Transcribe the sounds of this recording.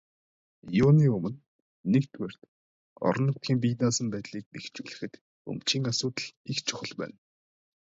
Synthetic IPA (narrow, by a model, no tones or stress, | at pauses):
jʊːniːɵmɘ̆nː | ekt̪ʰwer̥t̪ | ɔ̰ɾɞ̆nʊt̪xiːmp̬it̪naːsə̆mpæːt̪ɮiːk̚pext͡ɕuːɮɘ̆xɘ̆t̪ | ɵ̰mt͡ɕiːŋasʊːt̪ə̆ɮixt͡ɕʰʊ̥χə̆ɮpæ̰ːn